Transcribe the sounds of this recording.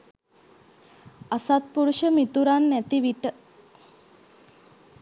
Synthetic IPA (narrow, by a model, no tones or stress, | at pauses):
asat̪̚puɾuʃəmit̪uɾanːæt̪iʋiʈə